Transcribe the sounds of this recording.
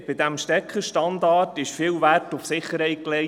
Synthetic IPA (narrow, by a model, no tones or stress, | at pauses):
b̥ɪd̪æmʃtɛkχəʃtɑnd̪ɑːtɪʃfɪːlværtʊfsɪχːəɾhɛɪklɛ